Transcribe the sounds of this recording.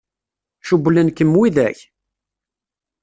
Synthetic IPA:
ʃublənkəmwiðæç

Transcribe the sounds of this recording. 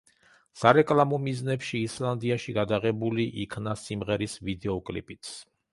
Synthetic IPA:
saɾɛkʼlˠamɔmiznɛpʃiːslˠand̪iaʃiɡad̪aʁɛbuliʔikʰnasimʁɛɾisvid̪ɛɔkʼlipʼit̪ʰs

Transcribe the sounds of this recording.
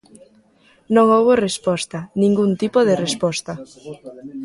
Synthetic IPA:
nõŋoβorespɔst̪ɐnĩŋɡunt̪ipoð̞erespɔst̪ɐ

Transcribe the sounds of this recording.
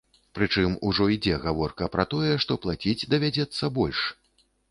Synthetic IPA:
pɾɨt͡ʂɨmuʐɔid͡zʲɛɣavɔrkɐpɾɐt̪ɔjɛʂt̪ɔplˠat͡sʲid͡zʲd̪ɐvʲad͡zʲɛt̪sːɐbɔlʲʂ

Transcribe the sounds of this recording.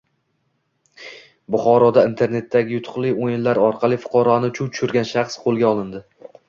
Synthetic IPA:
bʊχɒɾɒd̪aint̪ʰe̞ɾne̞t̪ʰːaɡʲɪjʊt̪ʰʊ̥χlˠɪjojɪnlaɾɒɾqʰɑlˠɪfʊ̥qʰɒɾɒnɪtt͡ʃʰuwt̪ʰʊ̥ʃʊɾɡʲanʃɑχsqʰolˠɡʲaɒlˠɪnd̪ɪ

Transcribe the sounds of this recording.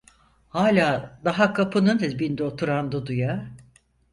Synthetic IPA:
haːlʲaːd̪aɦakʰapʰɯnɯd̪ɯbind̪ɛot̪ʰuɾand̪ud̪uja

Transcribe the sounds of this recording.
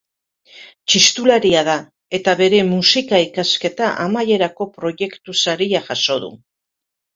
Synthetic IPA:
t͡ʃist̪ulaɾiað̞a | e̞t̪aβe̞ɾe̞musikaikaske̞t̪aʔa̰maje̞ɾako̞pɾo̞ʝe̞kt̪usaɾiaʝaso̞ðṵ

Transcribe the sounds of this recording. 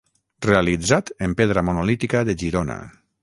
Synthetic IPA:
realid͡zat̪əmpeðɾamonolit̪ikaðəʒiɾona̰

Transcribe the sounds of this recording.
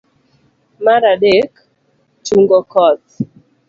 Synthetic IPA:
maɾaɗek | t͡ʃuŋɡɔkɔt

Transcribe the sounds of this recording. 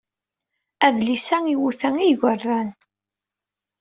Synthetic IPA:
æðlisæŋiwuθæŋiʝərˤːæn

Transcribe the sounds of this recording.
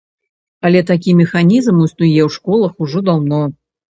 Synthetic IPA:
alʲɛt̪akʲimʲɪxanʲizmusnujɛwʂkɔlˠəxuʐɔd̪awnɔ

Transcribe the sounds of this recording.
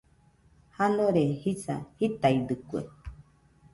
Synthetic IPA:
hanõɾehisa̰hit̪aid̪ɨkuḛ

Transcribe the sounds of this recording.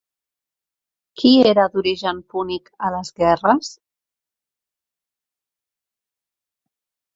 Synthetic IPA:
kʰieɾəd̪uɾiʒəmpunikələzɣɛrəs

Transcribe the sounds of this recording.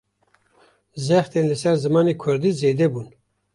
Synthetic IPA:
zɛxt̪eːnlɨsɛɾzɨmɑːneːkʷʰʊɾd̪iːzeːd̪ɛbuːn

